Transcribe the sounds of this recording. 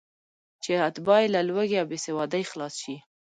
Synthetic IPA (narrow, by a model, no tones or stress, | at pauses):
t͡ʃeat̪bɑjelalwaɡeawbesewɑd̪ajxlɑsʃi